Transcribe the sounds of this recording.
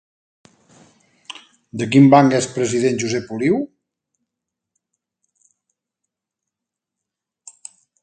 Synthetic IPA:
d̪ək̬imbaŋɡɛspɾəziðenʒuzɛpuliw

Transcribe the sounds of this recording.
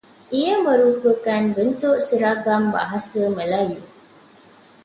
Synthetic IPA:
ʔijəmə̃ɾupəkanbənt̪ʊʔsəɾaɡamba̰ɦasəmə̃laju

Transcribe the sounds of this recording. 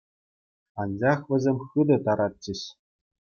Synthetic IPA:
ɑnd͡ʑɑχʋʲɘ̆zʲemʲxɯd̪ɤ̆t̪ɑɾɑt̪̚t͡ɕɘ̆ɕ

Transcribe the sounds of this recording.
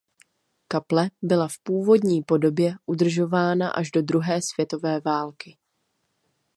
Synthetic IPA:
kaplɛbɪlafpuːvo̞dɲiːpo̞do̞bjɛʔud̪r̩ʒo̞vaːna̰ʔaʒdo̞d̪ɾuɦɛːsv̥jɛt̪o̞vɛːvaːlkɪ

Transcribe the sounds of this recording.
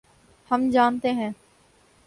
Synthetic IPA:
hɐmd͡ʒaːnt̪eɦɛ̃ː

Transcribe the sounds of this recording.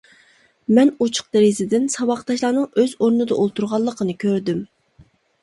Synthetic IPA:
mɛnut͡ʃʰʊ̥q̚d̪ɪɾɪzɪd̪ɪnsɑwɑqt̪ɑʃlˠɑːnɨŋøzoɾnɨd̪ɑʔolˠt̪ʰuɾʁɑlˠːəqʰənɨkʲʰøɾd̪ym

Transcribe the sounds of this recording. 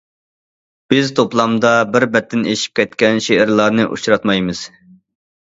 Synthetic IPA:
b̥ɪzt̪ʰoplˠɑmd̪ɑbɪɾbɛt̪ʰːɪneʃi̥p̚kʲɛt̪kʲɛnʃeʔɪɾlˠɑɾnɨʔṵt͡ʃɾɑt̪mɑjmɨz̥

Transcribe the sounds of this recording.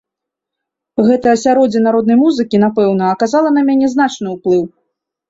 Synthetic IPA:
ɣɛt̪ɐjɐsʲaɾɔd͡zʲɐnaɾɔd̪nɐjmuzɨkʲinapɛwn̪ɐːkazalˠɐnɐmʲanʲɛzn̪at͡ʂnɨuplˠɨw

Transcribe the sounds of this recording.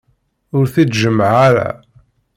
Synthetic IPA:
ʊɾθit͡s̪ʒəmːʕaɾæ̰

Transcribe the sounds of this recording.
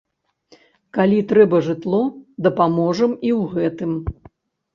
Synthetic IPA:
kalʲit̪ɾɛbɐʐɨt̪lˠɔd̪ɐpamɔʐɐmiwɣɛt̪ɨm

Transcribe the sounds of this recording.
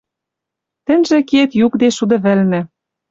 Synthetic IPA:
t̪ɘ̆nʲʒĕkiet̪jukd̪eʃud̪ɤ̆βɘ̆lnɘ̆

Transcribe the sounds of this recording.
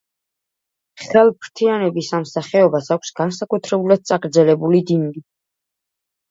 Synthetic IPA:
χɛlˠpʰɾt̪ʰianɛbisamsaχɛɔbasakʷʰsɡ̥ansakʼut̪ʰɾɛbulad̪̚sʼaɡɾd̪zɛlɛbulid̪inɡi

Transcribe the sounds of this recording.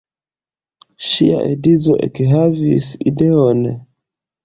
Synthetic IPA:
ʃia̰ʔḛdizo̰ʔekɦavisideon

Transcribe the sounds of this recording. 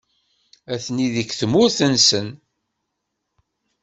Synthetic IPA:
æθniðəkːθmʊɾθənsən

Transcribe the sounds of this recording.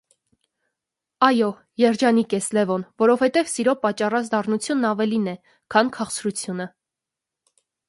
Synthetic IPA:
ɑjɔ | jɛɾd͡ʒɑnikɛslɛvɔnvɔɾɔv̥hɛt̪ɛvsiɾɔpɑt͡ʃːɑrɑt͡sd̪ɑrnut͡sʰjunːɑvɛlinɛ | kʰɑnkʰɑχt͡sɾut͡sʰjunə

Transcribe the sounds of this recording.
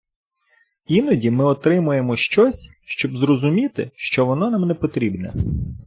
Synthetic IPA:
inɔdʲimɪɔt̪ɾɪmʊjemɔʃt͡ʃɔsʲ | ʃt͡ʃɔbzɾɔzʊmʲit̪ɪ̰ʃt͡ʃɔʋɔnɔnamnɛpɔt̪ɾʲibnɛ̰

